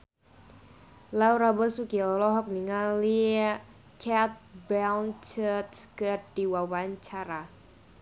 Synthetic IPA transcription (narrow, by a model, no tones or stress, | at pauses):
lawɾabɔsukiɔlɔɦɔk̚niŋali | kʰat̪̚bawnt͡ʃət̪kərdiwawaɲt͡ʃaɾa